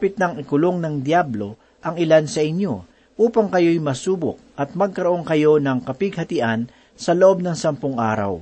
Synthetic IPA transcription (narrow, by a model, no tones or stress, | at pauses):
pɪt̪̚nɐŋɪkʊlo̞ŋnɐŋd̪jablo̞ | ʔɐŋɪlansɐʔɪɲjo̞ | ʔuːpɐŋkɐjo̞jmɐsuːbʊ̰k̚ʔɐt̪̚mɐɡ̚kɐɾoʔo̞ŋkɐjo̞nɐŋkɐpɪɡ̚hɐt̪ɪʔan | sɐloʔo̞b̚nɐŋsɐmpʊŋʔa̰ːɾɐ̰w